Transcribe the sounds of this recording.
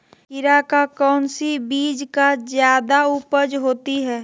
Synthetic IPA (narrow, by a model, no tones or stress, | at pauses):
ɪɾakakɔːnsibiːd͡ʒkazjaːd̪aupəd͡ʒɦoːt̪iɦɛː